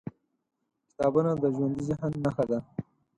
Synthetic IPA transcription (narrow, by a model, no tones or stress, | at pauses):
kɪ̥t̪ɑbunad̪əʒwand̪iziɦanːaxad̪a